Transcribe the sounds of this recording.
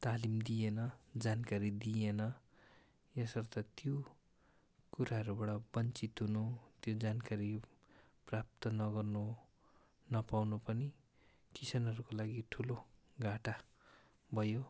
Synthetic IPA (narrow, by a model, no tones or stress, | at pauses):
t̪alimd̪ijenʌd͡zankaɾid̪ijenʌ | jesʌrt̪ʌt̪jo | kuɾaɦʌɾubaɽʌbʌnt͡sit̪ɦunut̪jod͡zankaɾi | prap̚t̪ʌnʌɡʌrnu | nʌpawnupʌni | kit͡sʰʌnʌɾukolaɡiʈʰuloɡaʈa | bʱʌjo